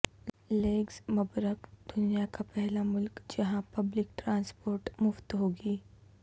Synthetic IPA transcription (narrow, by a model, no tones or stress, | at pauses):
leːɡzmɐbɾəkd̪̥ʊnijakapɛɦlamʊlkd͡ʒɐɦãpɐblɪk̚ʈɾãːnspoːɾʈmʊft̪ɦoːɡiː